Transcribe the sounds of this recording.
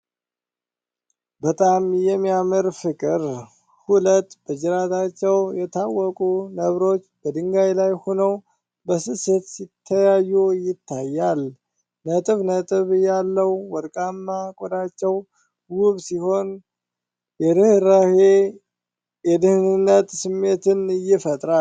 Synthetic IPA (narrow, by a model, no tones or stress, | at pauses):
bət̪ʼamjɛmːijamɨɾfɨkʼɨɾ | hulət̪ːbəd͡ʒɨɾat̪ʰat͡ʃːɛwjɛt̪ʰawːɔkʼunəβɾo̞t͡ʃːbəd̪ɨŋɡajlajho̞nəw | bəsɨsət̪sit̪ʰːəjajːujɪt̪ʰːajːal | nət̪ʼɨβnət̪ʼɨβɨjalːəwːɔɾkʼamːakʼod̪at͡ʃːɛw | wuβsiho̞n | jɛd̪ɨhɾahe | jɛd̪ɨhɨnɨnːət̪sɨmːe̞t̪ɨnɨjːɪfət̪ʼɾa